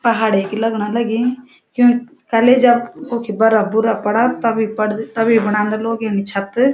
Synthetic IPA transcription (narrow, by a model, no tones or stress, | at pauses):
pəɦaːɽeːkiləɡnaːləɡiː | kjõː | kəleːd͡ʒəbokʰibəɾəbuɾapəɽaːt̪əbiːpəɽt̪əbiːbəɽ̃ãːnd̪eloːɡeːnit͡ʃʰət̪